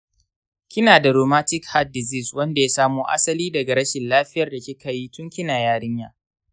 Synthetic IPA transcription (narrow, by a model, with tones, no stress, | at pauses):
kʲɪ˦naː˨da˨ɾoː˨maː˦tɪ˦kha˦t̚dɪ˨zi˦swɐ˦nda˨jaː˦saː˦muː˦ʔa̰˦sɐ˦liː˦dɐ˨ɡa˨ɾɐ˦ʃɪ˨nlaː˦ɸɪ˦jɐ˨rda˨kʲi˦kɐ˨ji˦tʊ˦ŋkʲɪ˦naː˨jaː˦ɽɪ˦ɲjaː˦ʔ